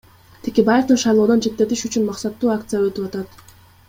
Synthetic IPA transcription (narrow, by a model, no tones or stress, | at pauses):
t̪ʰekʲe̞baje̞fd̪unʃɑjlˠo̞ːd̪ot͡ʃʰe̞t̪ːe̞t̪iʃyt͡ʃynmɑqsɑt̪ːuːak̚t̪sɨjaøt̪ypɑt̪ɑt̪